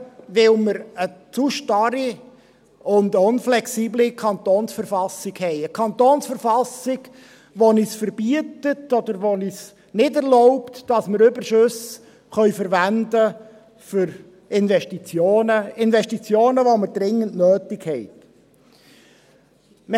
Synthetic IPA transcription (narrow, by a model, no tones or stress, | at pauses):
ʋɪlməɾət͡suʃtɑɾi | ʊndʊnflɛksiːblikʰɑnt̪oːnsfəɾfɑsɪɡhɛɪəkʰɑnt̪oːnsfəɾfɑsɪɡ | ʋonisfəɾb̥iətətɔd̪əɾʋonis | nɪdɛɾlɔʊptd̥ɑsməɾʏbəɾʃʉs | χœʏfəɾʋændə | fʏɾ | ɪnvɛʃtit͡sjoːnəɪnvɛʃtit͡sjoːnəʋoməɾd̥ɾɪŋːəntnøːtɪkhɛɪt | mə